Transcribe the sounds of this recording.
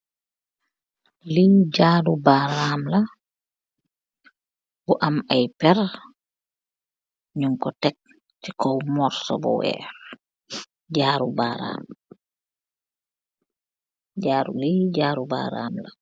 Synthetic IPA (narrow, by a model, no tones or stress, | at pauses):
lid͡ʒadubaɾamla | buʔamajpɛɾ | ɲuŋkɔtɛk̚ | tikɔwmɔɾsɔ̰bɔ̰wɛ̰ːɾ | d͡ʒaɾubaɾa̰ːm | d͡ʒaːɾṵlid͡ʒaːɾuba̰ɾa̰mla